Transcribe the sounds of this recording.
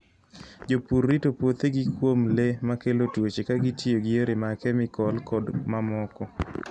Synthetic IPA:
d͡ʒopuɾːitopwot̪eɡɪkwomlemakelotwot͡ʃekaɡitioɡɪeɾemakɛmɪkɔlkɔdmamɔkɔ

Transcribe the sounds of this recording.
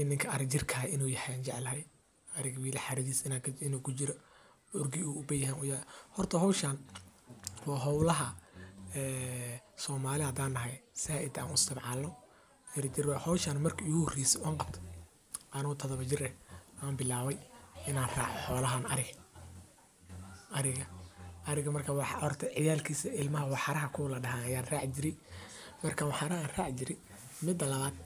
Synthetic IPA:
ɪnːɪŋkʰɐʔɐɾɪt͡ʃɪrkʰɐɪnuːjɐħɛant͡ʃɛʕlɐɦɛj | ɐɾɪɣwiːlɐħaɾɐðiːsɪnakʰɪnuːkʰʊt͡ʃɪɾɔ | ʊrɡɪuːʊbɐjhaːnʊjaːhɔrt̪ʰɐɦɔwʃaːn | wɑːɦɔwlɐɦɐɛːsɔːmaːlɪɐd̪aːnːɐɦɛjsaːʔɪd̪a̰ːnʊɪst̪ʰɐbʕɑlnɔ | ɪɾɪd͡ʒɪrwhɔwʃanmɐrkʰɐiɣʊhɔrɛjsɛʔʊaːŋqɑb̚t̪ʰɐ̥ | ʔɐnɔt̪ʰɐðɐβɐt͡ʃɪrɛʔaːmbɪlaːβɛjɪnaːnra̰ːʕɔħɔːlɐɦaːnɐɾɪɣ | ʔɐɾɪɣɐʔɐɾɪɣɐmɐrkʰɐwɑħɔrt̪ʰɐʕɪjaːlkʰiːsɐɪlmɐɦɐwɑħɑɾɐɦɐkʰʊlɐɖɐɦaːnɐjaːnraːʕt͡ʃɪɾɪmɐrkʰaːwɑħɑɾɐhaːnraːʕt͡ʃɪɾɪ | mɪd̪ːɐlɐaːd̪̚

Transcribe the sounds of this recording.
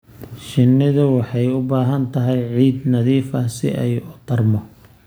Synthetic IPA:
ʃɪnːɪðɐwɑħɑjʊbaːɦɐnt̪ʰɐɦɛjʕiːd̪nɐðiːfɐsɪ̰ʔɛjʊt̪ʰɐrmɔ

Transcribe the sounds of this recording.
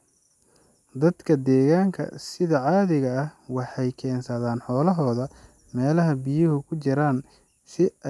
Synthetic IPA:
d̪ɐd̪kʰɐd̪ɛːɣaːŋkʰɐ̰sɪðɐʕɑːðɪɣɐɐhwɑħɑjkʰɛːnsɐðaːnħɔːlɐɦɔːðɐ | mɛːlɐɦɐbɪjʊɦʊkʰʊt͡ʃɪɾaːn | sɪ

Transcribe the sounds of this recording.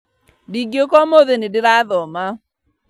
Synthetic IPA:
diɡjokɔmoðenɪdɪɾaðɔma

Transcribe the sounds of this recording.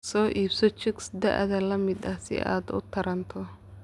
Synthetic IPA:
sɔːʔiːbsɔt͡ʃɪksd̪ɐ̰ʔðɐlɐmɪd̪ɐhsɪ̰ʔa̰ːd̪ʊ̰t̪ʰɐɾɐnt̪ʰɔ

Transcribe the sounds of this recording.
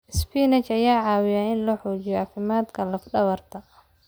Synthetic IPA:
spʰiːnɛt͡ʃɐjaːʕɑːwɪjaːɪnlɔːħuːt͡ʃɪjɔʔɑfɪmaːd̪kʰɐlɐfɖɐβɐrt̪ʰɐ

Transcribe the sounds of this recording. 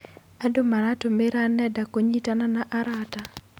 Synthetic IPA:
adomaɾatomeɾanɛdakoɲitananaʔaɾata

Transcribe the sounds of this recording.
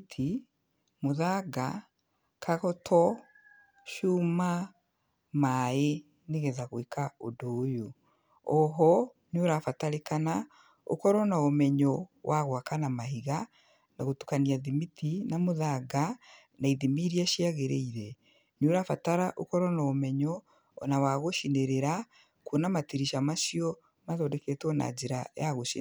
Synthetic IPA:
tʰi | moðaɡa | kʰaɣɔtʰɔ | ʃuma | mae | neɣɛðaɣoekaodoːjo | ɔɦɔ | noɾafataɾekana | o̰kɔɾɔnaomɛɲɔwʔaɣwakanamaɦiɣa | naɣotu̥kaniaðimitinamoðaɡa | naiðimiɾiaʃiaɣeɾḛiɾɛ | noɾafataɾaʔokɔɾɔnaomɛɲɔ | nawaɣoʃineɾeɾa | kwonamatiɾiʃamaʃiɔ | maðɔdɛketwɔna̰d͡ʒeɾajaɣoʃi

